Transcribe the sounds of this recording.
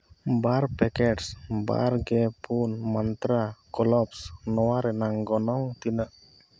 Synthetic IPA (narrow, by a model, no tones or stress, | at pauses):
baɾpɛkɛʈsba̰ɾɡɛpʰunmant̪ɾakɔlɔpsnɔwaɾɛnaŋɡɔnɔŋt̪inəʔ